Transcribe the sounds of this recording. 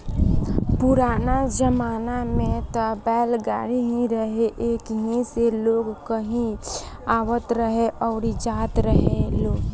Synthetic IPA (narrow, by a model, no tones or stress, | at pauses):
pʊɾaːnad͡ʒəmaːnamẽt̪əbɛːlɡa̰ːɾiɦĩɾəɦeʔeːkɦĩseloːɡkəɦĩ | aːwət̪ɾəɦeʔɔːɾid͡ʒaːt̪ɾəɦeloːɡ